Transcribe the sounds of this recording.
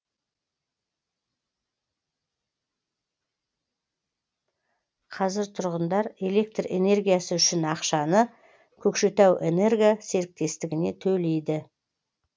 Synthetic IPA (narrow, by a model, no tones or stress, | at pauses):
qʰɑzɪɾt̪ʰʊɾʁənd̪ɑɾe̞le̞k̚t̪re̞̰ne̞rɡʲijasəʏʃɪnɑqʃɑnə | kʲʰɵkʃe̞t̪æwʔe̞̰ne̞rɡʲijase̞ɾɪk̚t̪e̞st̪ɪɡʲɪne̞̰t̪ʰɵle̞jd̪ɪ